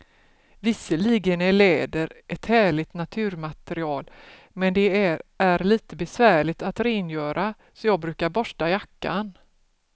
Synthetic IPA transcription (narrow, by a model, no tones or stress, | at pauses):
vɪsːəliːɡənæɭɛːd̪əɾʔɛt̪hæːɭɪɡ̚t̪nat̪ʰʉ̟ːɾmat̪əɾɪɑːl | mɛnd̪ɛææɾliːt̪əbɛsvæːɭɪɡ̚t̪at̪ɾenjœːɾʔa | sɔjɑːɡ̚bɾʉ̟ːkaɾbɔʂʈajakːan